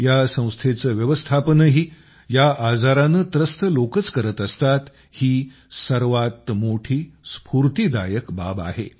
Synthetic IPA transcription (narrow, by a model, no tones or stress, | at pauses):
jasə̃w̃st̪ʰet͡səːʋjəʋəst̪ʰapənəɦiː | jaʔad͡zaɾanət̪ɾəst̪ʰəlokət͡skəɾət̪əst̪at̪ | hiː | səɾʋat̪moʈʰiːspʰuɾt̪iːd̪a̰jəkba̰ba̰ɦḛ